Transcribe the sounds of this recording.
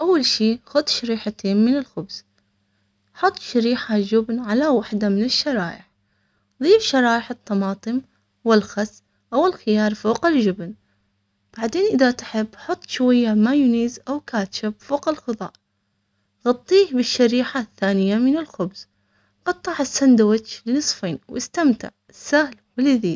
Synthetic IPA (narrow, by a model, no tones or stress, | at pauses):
ʔawːalʃiːxʊðˤʃaɾiːħat̪eːnmɪnɪlxʊbz̥ | ħʊt̪ˤːʃaɾiːħad͡ʒʊbnʕalawaħd̪amɪnɪʃːɑɾˤɑːʔɪħ | ðˤiːfʃɑɾˤɑːʔɪħɨt̪ˤːɑmɑːt̪ˤɨm | wɪlxɑs | ʔawɪlxɪjɑːɾˤfoːqɪld͡ʒʊbn | b̥aʕd̪eːnʔɪðat̪ħɪbːħʊt̪ˤːʃwajːamajʊniːzʔawkaːt̪ʃabfoːqɪlxɨðˤɑ̰ːʔ | ɣɑt̪ˤːiːhbɪʃːaɾiːħaθːaːnɪjːamɪnɪlxʊbz̥ | ʔɑt̪ˤːɑʕɪsːand̪awɪt̪t͡ʃlɪnɨsˤfeːnwʔɪst̪amt̪ɪ̰ʕɪsːahlwɪlɪðiː